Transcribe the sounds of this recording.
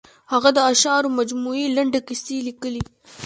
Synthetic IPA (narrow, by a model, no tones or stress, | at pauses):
haɣad̪əaʃɑːɾomad͡ʒmuilaɳɖekɪst̪ilikəli